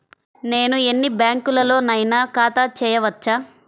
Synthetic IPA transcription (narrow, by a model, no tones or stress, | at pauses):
ne̞ːnuenːibjaːŋkulɐlo̞ːnɐjnakaːt̪aːt͡ʃɛːjɐʋɐt͡ʃːaː